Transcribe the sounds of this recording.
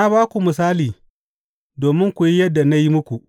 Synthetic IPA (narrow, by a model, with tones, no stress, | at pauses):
na˦baː˦kʷu˨mɪ˨s̬aː˦liː˨ | doː˨mɪ˦ŋkʷu˨ji˦jɐ˦dːa˨na˦ji˦mʊ˦kʷu˨ʔ